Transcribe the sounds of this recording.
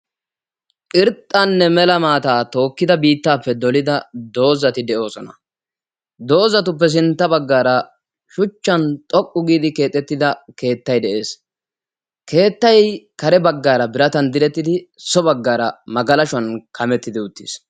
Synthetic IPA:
ʔɪɾt̪ʼːanːɛmɛlɐmaːt̪aːt̪o̞ːkːɪd̪ɐbiːt̪ːaːpːɛd̪ɔlɪd̪ɐd̪o̞ːzɐt̪ɪd̪ɛʔo̞ːsɔnɐ | d̪o̞ːzɐt̪ʊp̬ːɛs̬ɪnt̪ːɐbɐɡːaːɾɐ | ʃʊt͡ʃːɐnt̪ʼɔkʼːʊɡiːd̪ɪke̞ːt̪ʼːɛt̪ːɪd̪ɐke̞ːt̪ːɐjd̪ɛʔe̞ːs | ke̞ːt̪ːɐjkɐɾɛbɐɡːaːɾɐbɪɾɐt̪ɐnd̪ɪlɛt̪ːɪd̪ɪsɔbɐɡːaːɾɐ̰mɐɡɐlɐʃʊɐnkʰɐmɛt̪ːɪd̪ɪʊt̪ːi̥s

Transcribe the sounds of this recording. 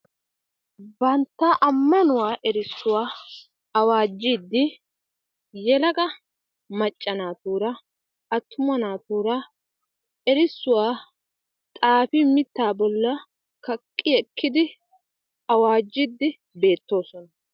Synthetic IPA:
bɐnt̪ːaʔɐmːɐnʊwaːʔɛɾɪsːʊwaː | ɐwaːd͡ʒːid̪ːɪ | jɛlɐɡɐ | mɐt͡ʃʼːɐnaːt̪uːɾɐ | ɐt̪ːʊmɐnaːt̪uːɾɐ | ɛɾɪsːʊwaː | t̪ʼaːfɪmɪt̪ːaːbɔlːɐ | kɐkʼːɪɛkʰːɪd̪ɪ | ɐwaːd͡ʒːɪd̪ːɪ | be̞ːt̪ːo̞ːsɔnɐ

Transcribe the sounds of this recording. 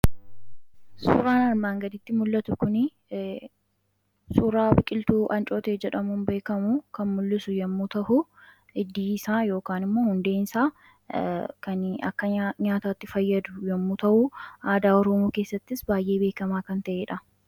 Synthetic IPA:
sṵːɾaːnɐɾmaːŋɡɐd̪ɪt̪ːɪmʊlːɐt̪ʊkʊnɪ | suːɾaːbɪkʼɪlt̪uːʔɐnt͡ʃʼo̞ːt̪eːd͡ʒɛᶑɐmunbe̞ːkɐmukɐnmʊlːɪsʊjɐmːuːt̪ɐʔʊ | ɪd̪ːiːsaːjo̞ːkaːnɪmːo̞ːhʊnd̪e̞ːnsaː | kɐnɐ̰kːɐɲaːt̪aːt̪ːɪfɐjːɐd̪ʊjɐmːuːt̪ɐʔʊaːd̪aːɔɾɔmuːke̞ːsːɐt̪ːɪsbaːjʔe̞ːbe̞ːkɐmaːkɐnt̪ɐʔeːᶑɐ

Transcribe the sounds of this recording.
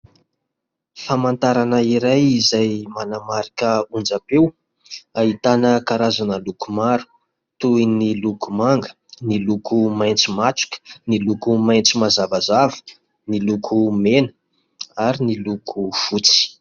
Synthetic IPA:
famant̪aɾanəiɾajizajmanamaɾikəund͡ʒapew | aɦit̪anəkaɾazanəlukumaɾu̥ | t̪uinilukumaŋɡə̥ | nilukʰumajnt͡simaʈ͡ʂu̥kə̥nilukumajnt͡simazavazavə̥ | nilukʰumenə | aɾinilukʰufut͡si̥

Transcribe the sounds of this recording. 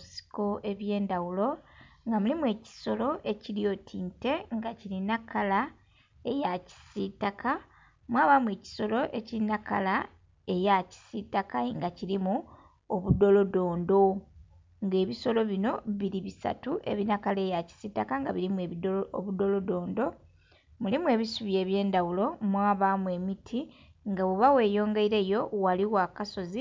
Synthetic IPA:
si̥ko̞ʔe̞βje̞ːndawulo̞ŋɡamulimue̞ːci̥so̞lo̞ʔe̞ciɾio̞tʰiːnte̞ŋɡacilinakala | e̞jaci̥sitaka | mwaːβamue̞ːci̥so̞lo̞ʔe̞ciinakala | e̞jaci̥sitakaiŋɡaciɾimu | oβudo̞lo̞do̞ːndo̞ | ŋɡe̞ːβiso̞lo̞βino̞βiɾiβisa̰tuʔe̞̰βinakale̞jaci̥sitakaŋɡaβiɾimeo̰βudo̞lo̞do̞ːndo̞ | mulimue̞ːβisuβje̞ːβje̞ːndawulo̞mwaːβamue̞mitʰi | ŋɡaβuβawe̞ːjo̞ːŋɡe̞iɾe̞jo̞waliwakaso̞zi

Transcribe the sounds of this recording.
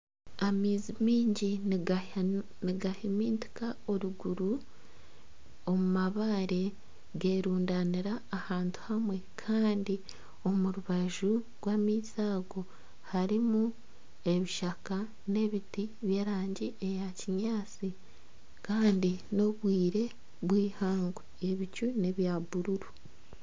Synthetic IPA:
amiːzimiːɲɟi | niɡahimiːnti̥kao̞ɾuɡuɾu | o̞mumaβaːɾe̞ | ɡe̞ːɾuːndaniɾaːhaːntu̥hamwe̞kʰaːndi | o̞muɾuβaʒu | ɡwaːmiːsaːɡo̞ | haɾimu | e̞βiʃaka | ne̞βitiβje̞ːɾaːɲɟie̞jaciɲaːt͡si | kaːndino̞βwiːɾe̞ | βwiːhaːŋɡweeβicune̞βjaːbuɾuɾu

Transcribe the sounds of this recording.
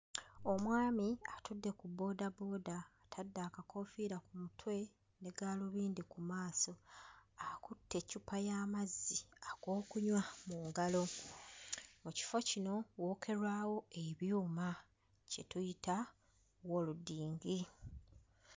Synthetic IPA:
o̞mwaːmiatudːe̞kubo̞ːdabo̞ːdaːtʰadːaːkako̞fiːɾakumutʰwe̞ | ne̞ɡaːloβiːndikumaːso̞akutʰːe̞cupajaːmazːiaɡo̞ːkuɲwamuːŋɡalo̞ | muci̥fo̞cino̞wo̞ːkʰe̞ɾwaːwo̞e̞βjuːma | ce̞tujita | wo̞ludːiːŋɡi

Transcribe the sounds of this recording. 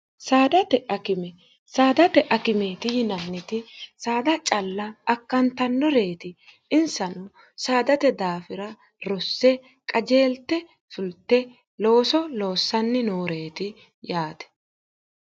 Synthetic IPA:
saːd̪ɐt̪ɛʔɐkɪmɛ | saːd̪ɐt̪ɛʔɐkɪmeːt̪ɪjɪnɐnːɪt̪ɪsaːd̪ɐt͡ʃʼɐlːɐːkːɐnt̪ɐnːɔɾe̞ːt̪ɪ | ɪnsɐnʊ | saːd̪ɐt̪ɛd̪aːfɪɾɐ | ɾɔsːɛ | kʼɐd͡ʒe̞ːlt̪ːɛ | fʊlt̪ːɛ | lo̞ːsɔlo̞ːsːɐnːɪnoːɾe̞ːt̪ɪ | jaːt̪ɛ̥

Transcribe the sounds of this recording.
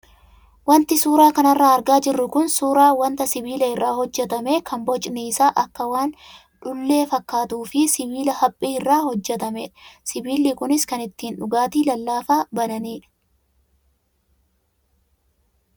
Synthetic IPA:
wɐnt̪ɪsuːɾaːkɐnɐrːaːɐɾɡaːd͡ʒɪrːʊkʊnsuːɾaːwɐnt̪ɐsɪbiːlɐɪrːaːhɔd͡ʒːɛt̪ɐme̞ːkʰɐmbɔt͡ʃʼnisaːʔɐkːɐwaːn | ᶑʊlːe̞ːfɐkːaːt̪uːfɪsɪbiːlɐhɐpʼːiːɪrːaːhɔd͡ʒːɛt̪ɐmeːᶑɐ̥sɪbiːlːikʊnɪskɐnɪt̪ːiːnᶑʊɡaːt̪iːlɐlːaːfaːbɐnɐniːᶑɐ̥

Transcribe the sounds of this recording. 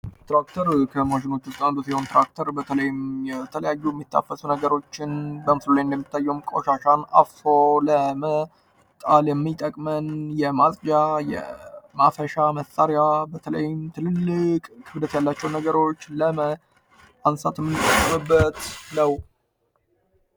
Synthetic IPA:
t̪ɾakt̪ʰəɾkʰəmoʒɪno̞t͡ʃːʊst̪ʼand̪usiho̞nt̪ɾak̚t̪ʰəɾbət̪ʰələjɪmjɛt̪ʰələjajːujɛmːit̪ʰːa̰fːəsunəɡəɾo̞t͡ʃːɪnbəmɨslulajɨnd̪əmːit̪ʰːajːɛumkʼo̞̰ʃaʃana̰foləmə | t̪ʼaljɛmːit̪ʼəkʼmənjɛmasʼd͡ʒajɛ̰mafəʃaməsʼaɾjabət̪ʰələjɪmt̪ʰɨlɨlːɨkʼhɨbd̪ət̪jalːat͡ʃːɛwnəɡəɾo̞t͡ʃːləmə | ansat̪jɛmːɨnːɨt̪ʼːəkʼːmɨbːət̪nəw

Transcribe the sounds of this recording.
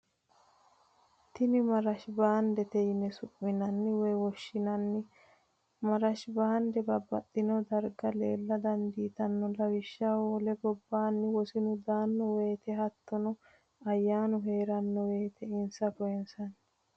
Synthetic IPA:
t̪ɪnɪmɐɾɐʃbaːnd̪ɛt̪ɛjɪnɛsʊpʼːɪnɐnːɪwɔjwɔʃːɪnɐnːɪ | mɐɾɐʃbaːnd̪ɛbɐbːɐt̪ːɪnɔd̪ɐɾɡɐlḛːlːɐd̪ɐnd̪iːt̪ɐnːɔlɐwɪʃːawɔlɛbɔbːaːnːɪwɔsɪnʊd̪aːnːɔwe̞ːt̪ɛɦɐt̪ːɔnʊ | ɐjːaːnʊɦe̞ːɾɐnːɔwe̞ːt̪ʰɛɪnsɐkɔjɛnsɐn

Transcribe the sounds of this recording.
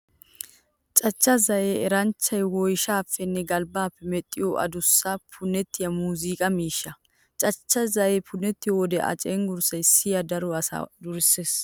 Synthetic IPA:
t͡ʃʼɐt͡ʃːɐzɐjeːɛɾɐnt͡ʃːɐjwɔjʃaːfːɛnːɛɡɐlbaːpːɛmɛt̪ʼːɪjɔʔɐ̰d̪ʊsːɐpʰʊnːɛt̪ːɪjɐmuːziːkʼɐmiːʃːɐ | t͡ʃʼɐt͡ʃːɐzɐjepʰʊnːɛt̪ːɪjɔd̪ɛʔɐ̰t͡ʃʼeŋɡʊɾsɐjsɪjɐd̪ɐɾɔɐsa̰d̪ʊɾɪseːs

